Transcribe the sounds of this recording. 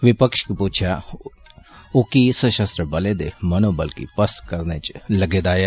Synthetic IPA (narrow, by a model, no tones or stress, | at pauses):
ʋɪpəkʃkipuːt͡ʃʰa | okisəʃəst̪ɾəbəled̪emənoːbəlkḭpəskəɾnet͡ʃləɡeːd̪aːja